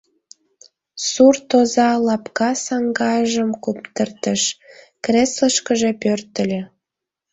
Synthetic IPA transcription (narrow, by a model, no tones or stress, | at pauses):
surt̪ozɑlɑpkɑsɑŋɡɑjəʒəmkupt̪ərt̪əʃ | kresləʃkəʒepørt̪ə̆lʲe